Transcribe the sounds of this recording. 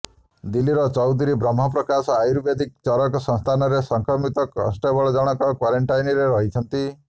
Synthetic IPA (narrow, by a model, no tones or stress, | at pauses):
d̪iliɾɔt͡ʃɔwd̪ʱiɾibɾɔm̤ːɔpɾɔkasɔajuɾbed̪ik̚t͡ʃɔɾɔkɔsɔ̃ŋst̪ʰanɔɾesɔŋkʰɾɔmit̪ɔkɔ̰sʈabɔɭɔd͡ʒɔɽ̃ɔkɔkwaɾeɳʈajnɔɾeɾɔɦit͡ʃʰɔnt̪i